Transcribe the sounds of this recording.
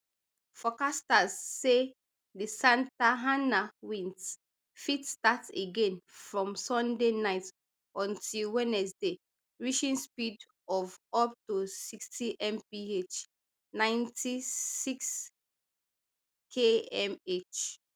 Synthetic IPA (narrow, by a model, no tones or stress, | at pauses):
fɔkastazːe | disãntaɦãnawĩnt | fitstateɡẽnfɹɔ̃msɔ̃ndenaɪt | ɔ̃ntʰilwɛnɛsde | ɹiʃĩnspid | ɔvɔp̚tosikstiʔɛ̃mpiet͡ʃ | nãɪ̃ntisiks | kʰeɛmet͡ʃ